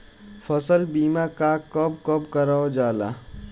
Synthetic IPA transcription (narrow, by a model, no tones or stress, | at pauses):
fʰɐsəlbiːmakakɔb̚kɔbkɐɾaod͡ʒaːla̰ː